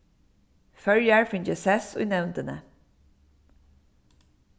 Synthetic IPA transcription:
fœɹjaɹfɪɲt͡ʃəsɛsʊ̰jnɛwnt̪ənə

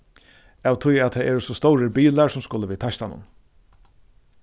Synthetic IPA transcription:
aːwt̪ʰʊjat̪ʰɛːɛːɾʊsɔst̪ɔwɾəbiːlaɾsʊmskʊləʋiːt̪ʰaʃt̪anʊ̰n

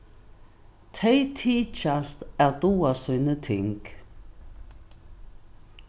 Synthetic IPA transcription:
t̪ʰɛɪt̪ʰiːt͡ʃast̪æʁd̪̥uːasœnət̪ʰɪŋk

